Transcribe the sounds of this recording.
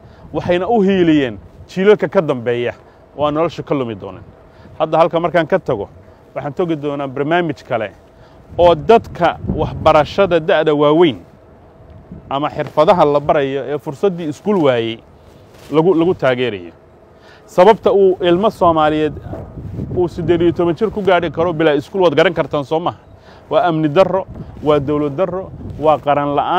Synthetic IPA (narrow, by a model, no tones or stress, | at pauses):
wɑħɑjnɐʊɦiːlɪjɛːnt͡ʃiːlɐlkʰɐkʰɐd̪ɐmbɛːjɐ | ɔːaːnːɔlɐʃɐkʰɐlʊmɪd̪ɔ̰ːnɛ̰ːn | hɐd̪ːɐɦɐlkʰɐmɐrkʰaːŋkʰɐt̪ʰɐɣɔ | wɑħɑːnt̪ʰɔɣɪd̪ɔːnaːbɐrnaːmɪt͡ʃkʰɐlɛ̰ | ɔːd̪ɐd̪kʰɐwɑħbɐɾɐʃɐðɐd̪aʕðɐwaːwɛjn | ʔɐmɐħɪrfɐðɐɦɐlɐbɐɾɐjɔʔɛːfʊrsɐd̪iːɪskʰuːlwaːjɛj | lɐɣʊlɐɣʊt̪ʰaːɣɛːɾɐ̰jɔ̰ | sɐβɐbt̪ʰɐuːʔɪlmɐsɔːmaːlɪjɛːd̪ | uːsɐd̪ɛːðijɔt̪ʰɔβɐnt͡ʃɪrkʰʊɡaːɽɪkʰɐɾɔbɪlaːɪskuːlwaːd̪ɡɐɾɐŋkʰɐrt̪ʰaːnsɔːmaːɦɐ | wɑːɐmnɪd̪ɐrɔwɑːd̪ɔwlɐd̪d̪ɐrɔwɑːqɑɾɐnlɐ̰ʔaː